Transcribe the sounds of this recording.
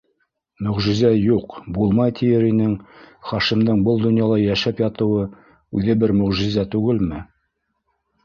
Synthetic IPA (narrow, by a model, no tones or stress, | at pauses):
mɵ̆ʁʒĭzæjuqbulˠmɑjt̪ʰijɘɾinɘŋχɑʃimd̪ɤɴbɤlˠd̪ŏnjɑlˠɑjæʃæpjɑt̪ɤ̆wɤ | ʉðɘbɘɾmɵ̆ʁʒizæt̪ʉɡɘlmɘ